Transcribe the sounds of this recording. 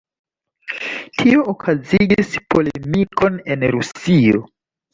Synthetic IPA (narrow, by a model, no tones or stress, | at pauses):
tʰioːkʰaziɡispʰo̞lemikʰo̞ne̞nɾusio̰